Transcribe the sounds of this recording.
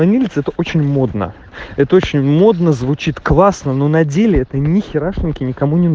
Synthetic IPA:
ɐnʲilʲɪt̪sɛt̪əʔo̞t͡ɕɪnʲmo̞d̪nə̰ | ɛt̪əot͡ɕɪnʲmo̞d̪nəzvʊt͡ɕit̪klˠasnəno̞nɐdʲelʲɪɛt̪ənʲɪxʲɪɾaʂʲɪnkʲɪnʲɪkɐmunʲɪn

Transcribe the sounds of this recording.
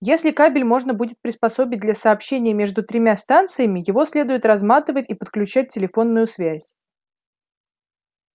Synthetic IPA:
jesʲlʲɪkabʲɪlʲmo̞ʐnəbudʲɪt̪̚pɾʲɪspɐso̞bʲɪd̪lʲɐsɐːpɕːenʲɪjəmʲe̞ʐd̪ʊt̪ɾʲɪmʲast̪ant̪sɨjəmʲɪjɪvo̞sʲlʲe̞d̪ʊjɪt̪rɐzmat̪ɨvətʲipət̪̚klʲʉt͡ɕæt̚ʲtʲːɪlʲɪfo̞nːʊjʊsvʲæsʲ

